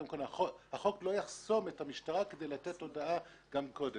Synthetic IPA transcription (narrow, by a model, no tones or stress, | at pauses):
imkonaohaχo̞klo̞jaχso̞me̞thamiʃtaʁakede̞jlat̪etːo̞daa | ɡamko̞de